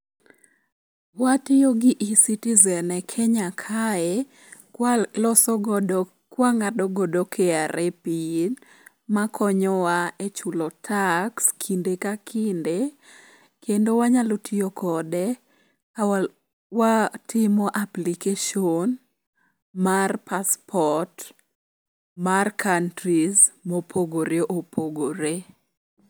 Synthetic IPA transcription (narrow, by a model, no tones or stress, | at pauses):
watioɡiʔisitizɛnɛkʰɛɲakʰaɛ | alɔsɔɡ | kwaŋadɔɡɔdɔkʰeaɾʔɛpin | makʰɔɲɔwaet͡ʃulɔtʰakskʰindekakʰɪnde | kendowaɲalotʰiokʰɔdɛ | a | watʰɪmɔʔaplikeʃɔn | marpaspʰɔt | markʰantrizmopʰoɡoɾeʔopʰoɡoɾe